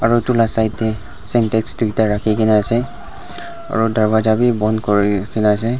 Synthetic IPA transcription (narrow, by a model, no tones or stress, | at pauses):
aɹutulasajtːɛ | sɛntɛkstiitaɹakʰikʰinɛasɛ | a̰ɹudʱaɹbad͡ʒabibɔndkɔɹikʰinɛasɛ